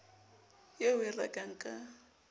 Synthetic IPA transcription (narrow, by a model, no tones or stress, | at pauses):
jeʊira̰kʼaŋ̩kʼa